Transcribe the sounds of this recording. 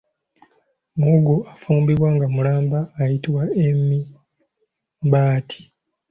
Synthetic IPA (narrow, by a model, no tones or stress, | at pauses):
muɡuafuːmbiβwaŋɡamulaːmbaːjitiwaemːi | mbaːtʰi̥